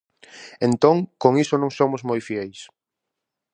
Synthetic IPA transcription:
ẽnt̪õŋkoŋisonõŋsomʊzmojfjɛjs

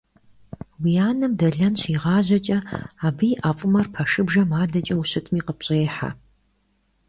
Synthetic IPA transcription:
wijaːnɨmdɐɮɐnɕiːʁɑːʑɐt͡ʃʼɐaːbɨjʔafʼʊmɐrpʰɐʂɨbʐɐmaːdɐt͡ʃʼɐwuɕɨtʰmiːqəp̚ɕʼeːħa̰

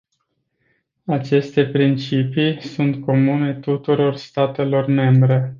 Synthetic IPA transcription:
at͡ʃe̞st̪e̞pɾint͡ʃipisunt̪ko̞mune̞t̪ut̪uɾo̞rst̪at̪e̞lo̞rme̞mbɾe̞

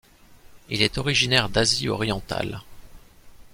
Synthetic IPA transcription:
ilɛt̪ɔʁiʒinɛʁd̪aziɔ̰ʁjɑ̃t̪a̰l

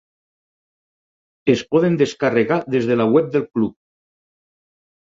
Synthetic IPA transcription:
espɔðend̪eskareɣaðezðelawɛp̚d̪elklup̚

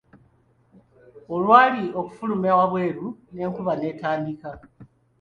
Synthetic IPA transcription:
olwaːlio̞ku̥fulumawaβwe̞ːɾune̞ːŋkuβane̞ːtaːndika

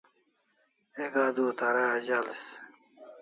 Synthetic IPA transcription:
eɡad̪uːt̪aɾad͡ʑals

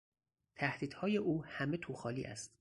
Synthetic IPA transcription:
t̪ʰæhd̪̥iːd̪̥hɒːje̞ʔuːhæme̞t̪ʰuːxɒːlḭːʔæ̰st̪

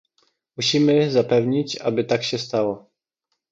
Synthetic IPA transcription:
muɕimɘzapɛvɲit͡ɕa̰bɘt̪akɕɛst̪awɔ

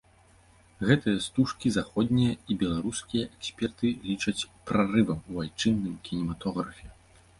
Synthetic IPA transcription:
ɣɛt̪ɨjɐst̪uʂkʲizaxɔd̪ʲnʲijɐibʲɛlˠaɾuskʲijɐʔɛksʲpʲɛrt̪ɨlʲit͡ʂɐt͡sʲpɾarɨvɐmuvajt͡ʂɨnːɨmkʲinʲɛmat̪ɔɣɾɐfʲɛ

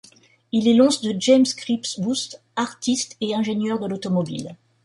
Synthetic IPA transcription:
ilɛlɔ̃sd̪əd͡ʒɛmskχipsbust̪ | aʁt̪ist̪eɛ̃ʒenjœʁd̪əlot̪ɔmɔbḭl

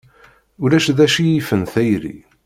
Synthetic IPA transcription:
ulæʃðæʃijifənθæjɾḭ

